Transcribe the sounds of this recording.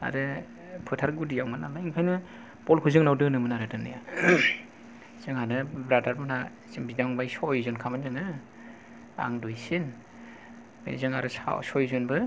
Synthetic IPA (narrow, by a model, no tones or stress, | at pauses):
a̰ɾɯ | pʰɯtʰaɾɡudijawmanamaiŋpʰajnɯ | pɔlkʰuzɯŋnawdɯnɯmɯnaɾɯdɯnḭja | z̥ɯŋhanɯbɾadaɾmɯna | zɯŋbidaŋbajsɔjzunkʰamanzanɯ | a̰ŋdujsin | mḛzɯŋa̰ɾɯsa̰sɔjzɔnbɯ